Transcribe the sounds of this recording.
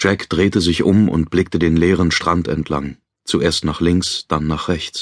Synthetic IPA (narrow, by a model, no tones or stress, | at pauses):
d͡ʒ̥ɛkd̥ʁeːtəzɪçʔʊmʔʊ̰nt̚b̥lɪk̚tədeːnleːʁ̞ənʃtʁ̥antɛntʰla̰ŋ | t͡suʔeːɐstnaːχlɪŋksd̥anːaːχʁ̥ɛçt͡s